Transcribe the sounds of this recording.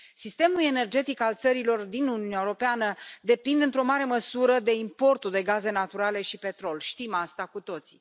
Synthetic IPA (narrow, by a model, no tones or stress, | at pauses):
sist̪e̞mule̞ne̞rd͡ʒe̞t̪ikalt̪səɾilo̞rd̪inuniuneaewuɾo̞peanəd̪e̞pind̪ɨnt̪ɾo̞maɾe̞məsuɾəd̪e̞impo̞rt̪ud̪e̞ɡaze̞nat̪uɾale̞ʃipe̞t̪ɾo̞lʃt̪imast̪akut̪o̞t̪si̥